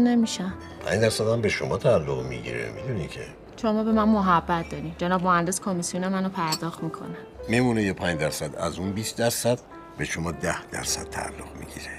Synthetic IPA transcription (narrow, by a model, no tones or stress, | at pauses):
nemiʃæn | pʰæ̰ɲd̪æɾsæd̪æmbeʃomɒːt̪ʰæːlːoʁmḭɟḭɾḛmid̪unicʰe̞̰ | ʃomɒːbe̞mænmoɦæbːæt̪̚ʰd̪ɒːɾimd͡ʒenɒːbmohænd̪eskʰomisijune̞mænopʰæɾd̪ɒːxt̪miːkʰo̰nænmemunejepʰæɲd͡ʒd̪æɾsæd̪æ̰zunbiːsd̪æɾsæd̪̥ | be̞ʃomɒːd̪æhd̪æ̰ɾsæ̰d̪̚t̪ʰæ̰ːlːoʁ̥mḭɟḭɾe